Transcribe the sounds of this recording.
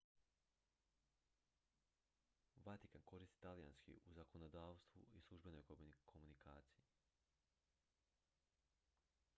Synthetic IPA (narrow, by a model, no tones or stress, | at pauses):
ʋat̪ikanko̞ɾist̪i̥t̪alija̰nskḭʔuzako̞nod̪aːʋst̪ʋṵislˠuʒbe̞no̞jkʰo̞munikaːt̪siji